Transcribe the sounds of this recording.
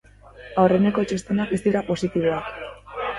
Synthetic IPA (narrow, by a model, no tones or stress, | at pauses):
awre̞ne̞ko̞t͡ʃest̪enak̚best̪iɾapo̞sit̪iβ̞oak